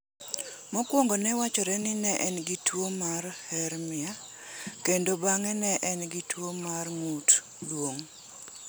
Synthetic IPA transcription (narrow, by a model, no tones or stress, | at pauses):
mɔkwoŋɡonɛwat͡ʃɔɾɛnɪnɛʔɛnɡitwomarhɛɾmɪa | kendobaŋɛnɛʔɛnɡitwomarŋut | dwoŋ